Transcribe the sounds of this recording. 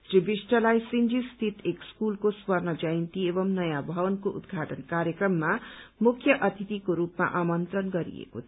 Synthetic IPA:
ribisʈʌlajsind͡zist̪ʰit̪ʰekskulkoswʌrnʌd͡zʌjnt̪iebʌmnʌjãbʱʌwʌnkoʔṵd̪ɡʱaʈʌnkaɾjʌkrʌmːamukʰːjʌʔʌt̪ʰit̪ikoɾupma̰ʔamʌnt̪rʌnɡʌɾḭḛkot̪ʰ

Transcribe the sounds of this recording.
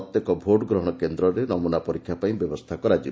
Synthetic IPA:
ɔt̪jekɔbʱoɖɔɡɾɔɦɔɽ̃ɔkend̪ɾɔɾenɔmunapɔɾikʰːjapaĩbjɔbɔst̪ʰakɔɾad͡ʒi

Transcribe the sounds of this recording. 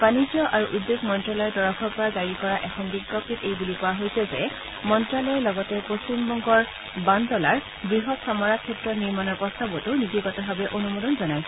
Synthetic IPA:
panizɔʔaɹuʔudbeɡmɔntɹɔlɔɛdɔɹakʰɔɹpɔɹazaɹikɔɹaʔɛxʰɔnbiɡɔk̚titejbulipɔwaɦojsɛzɛ | mɔntɹalɔjlɔɡɔtɛpost͡ʃimbɔŋɡɔɹ | bandɔlaɹ | bɹiɦɔtsamɔɹakʰɛtɹɔniɹmanɔɹpɔstabɔtʊniziɡɔtɔbʱabɛʔonumodɔnzɔnaj

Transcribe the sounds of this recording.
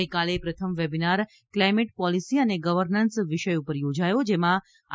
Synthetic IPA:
jkalepɾət̪ʰəmʋebinaɾ | klajmeʈpɔlisiəneɡəʋəɾnənsʋɪʃəjupəɾjod͡ʒajod͡ʒemã

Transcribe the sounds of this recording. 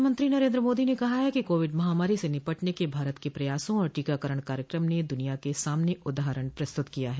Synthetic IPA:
mə̃nt̪ɾinɐɾẽːnd̪ɾəmoːd̪inekɐɦajɛkikoːʋɪɖmɐɦaːmaːɾisenɪpəʈnekebʱaːɾət̪kepɾɐjaːsõɔːɾʈiːkakəɾəɽ̃kaːɾjəkɾəmned̪ʊnijakesaːmneʔʊd̪aːɦəɾəɽ̃pɾɐst̪ʊt̪kijaɦɛː

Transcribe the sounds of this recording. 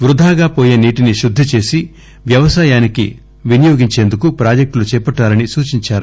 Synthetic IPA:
ʋɾud̪ʱaːɡaːpoːjeːniːʈiniʃud̪ʱːit͡ʃe̞ːsi | ʋjɐʋɐsaːjaːnikḭ | ʋinijo̞ːɡiɲt͡ʃe̞ːnd̪ukupɾaːd͡ʒek̚ʈlut͡ʃɛːpɐʈːaːɾɐnisuːt͡ʃiɲt͡ʃaːɾu

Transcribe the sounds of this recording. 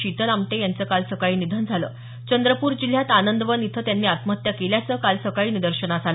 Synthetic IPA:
ɕit̪əlamʈejant͡səːkalsəkaɭiːnid̪ʱand͡zʱalə̰ː | t͡ɕənd̪ɾəpuːɾd͡ʑil̤jat̪anənd̪əʋənit̪ʰəːt̪janːiːat̪mət̪jakeljat͡səːkalsəkaɭiːnid̪əɾɕənad͡zʱalə

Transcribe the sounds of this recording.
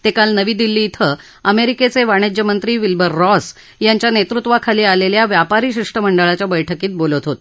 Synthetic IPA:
t̪ekalnəʋiːd̪ilːiːt̪ʰə | əmeɾiket͡seʋaɽ̃ed͡ʑəmənt̪ɾiːʋilbəɾːɔs | jaɲt͡ɕjanet̪ɾut̪ʋakʰaliːaleljaʋjapaɾiːɕiʂʈəməɳɖəɭat͡ɕjabəjʈʰəkiːt̪̚bolət̪ɦot̪

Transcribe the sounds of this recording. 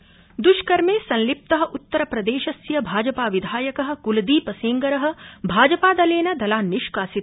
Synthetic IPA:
d̪uʃkɐɾmeːsɐ̃nlip̚t̪ɐɦɐ̆ʔut̪ːɐɾɐpɾɐd̪eːʃɐsjɐbʱaːd͡ʒɐpaːʋid̪ʱaːjɐkɐɦɐ̆kulɐd̪iːpɐseːŋɡɐɾɐɦɐ̆bʱaːd͡ʒɐpaːd̪ɐleːnɐd̪ɐlaːnːiʃkaːsit̪̚

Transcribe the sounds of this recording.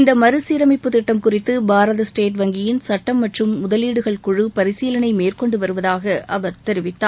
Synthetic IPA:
ɪnd̪ɐmɐɾɯsiːɾɐmɪpːɯt̪ɪʈːɐmkʊrɪt̪ːɯbʱaːɾɐðɐsʈeːʈʋɐŋɡɪjɪnsɐʈːɐmːɐʈrɯmːʊðɐliːɽɯɣɐɭkʊɻɯpɐɾɪsiːlɐnɐɪmeːrkɔɳɖɯʋɐɾɯʋɐðaːɣɐʔɐʋɐɾt̪ɛɾɪʋɪt̪ːaː

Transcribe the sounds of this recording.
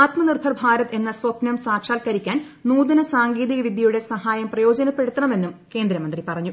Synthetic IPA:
aːt̪mɐnirbʱɐrbʱaːɾɐt̪e̞nːɐsʋɐpnɐmsaːkʂaːlkɐɾikʲːaːn | nuːðɐnɐsaːŋɡiːðiɣɐʋid̪ʱjɐjuɽe̞sɐhaːjɐmprɐjo̞ːd͡ʑɐnɐpːe̞ɽut̪ːɐɳɐme̞nːumke̞ːnd̪ɾɐmɐnd̪ripɐrɐɲːu

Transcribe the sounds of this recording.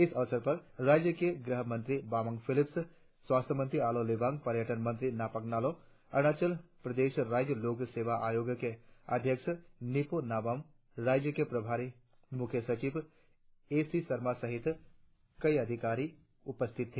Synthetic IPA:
ɪsɐʋsəɾpɐɾɾaːd͡ʒjəkeɡɾəɦəmə̃nt̪ɾibaːmə̃ŋɡpʰɪlɪps | swaːst̪ʰəmə̃nt̪ɾiaːlolebãːŋɡ̚pɐɾjəʈənmɐ̃nt̪ɾinaːpəknaːlo | ɐñaːt͡ʃəlpɾɐd̪eːʃɾaːd͡ʒjəloːkseːʋaʔaːjoːɡjkeɐ̰d̪ʱjəkʃəniponaːbəm | ɾaːd͡ʒjəkepɾɐbʱaːɾi | mʊkʰjəsɐt͡ʃiːb | eːsisɐɾmasɐɦɪt̪ | kɐiɐd̪ʱɪkaːɾi | ʊpəst̪ʰɪt̪ʰːeː

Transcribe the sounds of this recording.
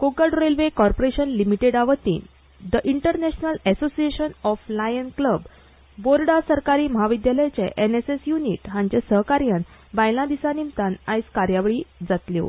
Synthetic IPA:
kokəɖɾelʋekɔɾpoɾeɕənlimiʈeɽaʋət̪ḭːn | d̪əʔiɳʈəɾnɛɕnəlɛsosieɕənɔflajənkləbː | oɾɖasəɾkaɾiːməɦaʋid̪jaləjt͡ɕḛʔenesesjuniʈɦãɲt͡ɕesəɦkaɾjan | bajlãd̪isanimt̪anajskaɾjaʋɭiːd͡zat̪ljo̰

